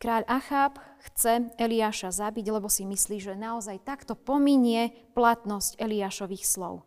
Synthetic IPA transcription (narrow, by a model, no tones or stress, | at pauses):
kɾaːʎʔaxaːpxt͡sɛɛliaːʃazabiɟlɛbɔsimisliːʒɛnaɔzajt̪akt̪ɔpɔmiɲɪɛplat̪nɔscɛliaːʃɔʋiːxslɔ̰ʊ